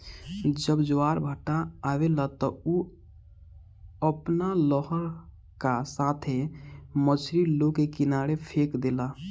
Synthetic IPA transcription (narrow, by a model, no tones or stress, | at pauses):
d͡ʒəbd͡ʒoaːɾbʱəʈaːwelat̪ɔu | əpnalɔɦəɾ | kasaːt̪ʰemət͡ʃʰɾiloɡkekɪnaːɽepʰekd̪ela